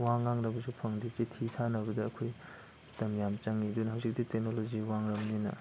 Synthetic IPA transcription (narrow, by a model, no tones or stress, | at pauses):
waŋːaŋnɐbɐsupʰɐŋdit͡ʃetʰitʰanɐbɐdɐːkʰoj | tɐmjamt͡ʃaŋidunɦawzik̚ditek̚noloziwaŋɾɐmninɐ̰